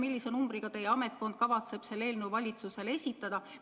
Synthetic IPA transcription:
milːise̞numbɾiɡ̥ɑt̪e̞jeɑme̞t̪̚ˑko̞nd̪̥̚kɑvɑt̪se̞b̥se̞lːe̞ːlneuvɑlʲit̪suse̞le̞sʲit̪ːˑɑd̪̥ɑ

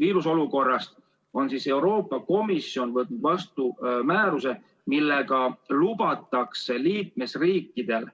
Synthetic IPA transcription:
viːɾuso̞luko̞rːɑst̪ | o̞nsise̞wɾo̞ːpːˑɑko̞misio̞nvɤt̪nud̪vɑst̪umæːɾuse̞ | milːe̞ɡ̥ɑlubɑt̪ˑːɑkse̞liːk̚me̞sriːkːˑid̪̥e̞l

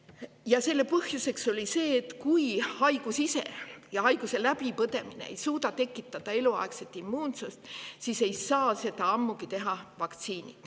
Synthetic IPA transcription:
jɑse̞lːe̞pɤhjuse̞kso̞lʲise̞ːt̪ːkujhɑjɡ̥usise̞̰jɑɦɑjɡ̥use̞læpipɤt̪e̞minḛḛjsuːt̪ɑt̪e̞kːˑit̪ːˑɑd̪̥ɑe̞luɑ̰ekse̞t̪ːˑimːuːnsust̪sise̞jsɑːse̞t̪ɑɑmːukit̪e̞ɦɑvɑkt̪siːnḭd̪̥

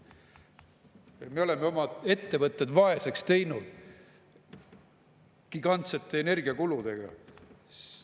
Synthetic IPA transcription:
jme̞o̞le̞meo̞mɑe̞t̪ːe̞vɤt̪ːˑed̪vɑe̞se̞kst̪e̞jnud̪̥ | ɡ̥iɡ̥ɑnt̪se̞t̪ːe̞ːne̞rɡiɑkulud̪̥e̞ɡ̥ɑ̰

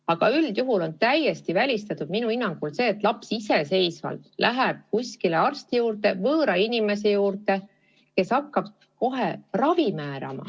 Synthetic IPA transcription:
ɑɡ̥ɑyld̪̥juɦulo̞nt̪æje̞st̪ivælʲist̪ɑt̪ud̪̚minuinːɑŋɡ̥ulse̞ːt̪ːˑlɑpsise̞se̞jsvɑ̰lt̪lʔæɦeb̥̚kusʲkile̞ɑrst̪ijuːrt̪e̞vɤːɾɑinime̞s̬e̞juːrt̪e̞ | ke̞sɑkːɑb̥ | ko̞ɦerɑvimæːɾɑ̰mɑ̰

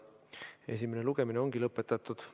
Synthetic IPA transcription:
e̞simeneluɡ̥e̞mineo̞ŋɡ̥ilɤpːˑe̞t̪ːˑɑt̪ːˑud̪̥

